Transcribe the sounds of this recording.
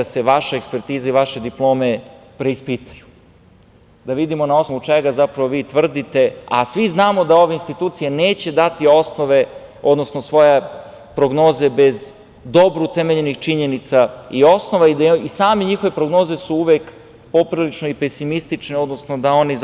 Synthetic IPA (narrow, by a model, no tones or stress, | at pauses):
aseʋaʃeekspeɾt̪iːzaiʋaʃe̞d̪iplˠo̞ːme̞ | pɾe̞ispit̪ḁju | d̪aʋid̪imo̞nao̞snmut͡ʃeɡazapɾaʋoʋiːt̪ʋr̩d̪it̪e̞a̰sʋiznaːmo̞d̪ao̞ʋeinst̪it̪uːt̪sije̞neːt͡ɕe̞d̪at̪io̞snoʋe̞ | o̞d̪no̞snosʋo̞je | pɾo̞ɡno̞ːze̞be̞z | d̪o̞bɾut̪eme̞ʎe̞nixt͡ʃiɲe̞nit̪saio̞sno̞ʋaiisaːmeɲixo̞ʋe̞pɾo̞ɡno̞ːze̞suuʋek | po̞pɾilit͡ʃnoipe̞simist̪it͡ʃneo̞d̪no̞snod̪ao̞niz